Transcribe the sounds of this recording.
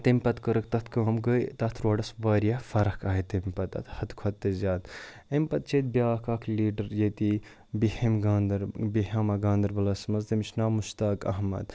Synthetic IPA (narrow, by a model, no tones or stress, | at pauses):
t̪emʲpɐt̪kəɾəkt̪ɐt̪kɐːmɡəjt̪ɐt̪ʰɾoːɖɐsʋaːɾijafɐɾɐhkaːɦit̪emʲpɐt̪ɐ̰t̪hɐt̪kʰɐt̪ːezʲaːd̪ | emʲpɐt̪̚t͡ʃʰeːt̪̚bjaːkaːkʰliːɖɐɾjet̪i | bihemɡːnd̪ɐɾbiɦɐːmɐɡaːnd̪ɐɾbɐlɐsmɐzt̪ɐmit͡ʃʰnaːmuʃt̪aːkɐ̰ɦmɐ̰d̪̚